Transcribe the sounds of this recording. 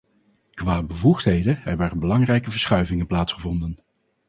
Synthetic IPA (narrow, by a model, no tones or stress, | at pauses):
kʋaːbəvuχtɦejdəɦɛbəɛɹbəlɑŋrɛjkəvəɹsχœɥvɪŋənplaːtsχəvɔndən